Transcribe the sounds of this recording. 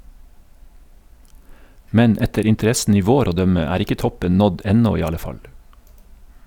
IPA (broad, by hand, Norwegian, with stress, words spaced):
ˈmɛn ˈɛtəɾ ɪntəˈɾɛsn̩ ˈiː ˈʋoːɾ ˈoː ˈdœmə ˈæːɾ ˈɪkə ˈtɔpən ˈnɔd ˈɛnɔ ˈiː ˈɑlə ˈfɑl